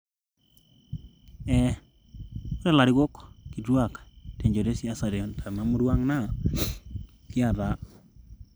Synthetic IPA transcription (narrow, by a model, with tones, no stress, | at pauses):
ɛ˨ | o˦ɾɛ˦˨la˨ɾɪ˦ɡo˦kki˨dwa˦˨kte˨ɲd͡ʒo˨de˦si˦a˨sa˨dɔ˨ntʰa˨ma˨˦mo˦dwa˦ŋna˦˨ | kɪ˦a˨ða˦